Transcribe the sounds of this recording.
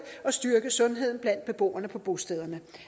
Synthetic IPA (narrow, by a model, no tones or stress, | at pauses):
ɒ̽sd̥yɐɡ̥əsɔ̽nɦe̝ð̞̰ˠn̩b̥læn̰d̥̚b̥e̝b̥o̝̰ːɐnəpʰɒ̽b̥o̝sd̥eð̞ˠɐnə